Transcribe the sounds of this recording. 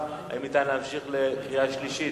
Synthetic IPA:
a̰imit̪ajnlaːmʃiχleχijaʃliʃi

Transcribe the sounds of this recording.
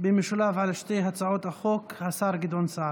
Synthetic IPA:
bemiʃolavʕalʃt̪ejɦat͡saʕot̪aχokhasaɾɡid̪onsaɾ

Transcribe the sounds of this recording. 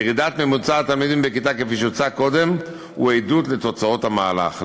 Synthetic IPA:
ʁid̪at̪mɛmut͡sat̪almid̪imbekit̪akefiʃut͡sakod̪ɛm | ṵejdut̪lɛt̪ot͡saothamaːla̰χ

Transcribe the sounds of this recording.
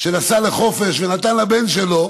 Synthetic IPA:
ʃe̞nasale̞χo̞fe̞ʃvenat̪anlabe̞nʃe̞lo̞

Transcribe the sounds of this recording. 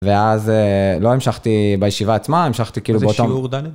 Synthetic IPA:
veazelo̞emʃaχt̪ibajeʃivaːt͡smaemʃaχt̪ikiilueotomuʁd̪ale

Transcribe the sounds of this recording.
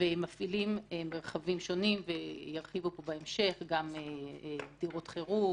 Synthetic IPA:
vemafilimemeʁχavimʃo̞nimvejaʁχivupobaemʃe̞χɡamebdiʁotχeʁu

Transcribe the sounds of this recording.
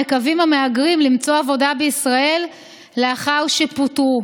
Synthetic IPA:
ekavimameaɡʁimlimt͡soavo̞dabeisʁae̞lː | eaχawʃeputu

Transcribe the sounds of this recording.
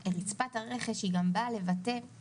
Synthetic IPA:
eʁit͡spathaʁe̞χeʃhiɡambale̞vate̞

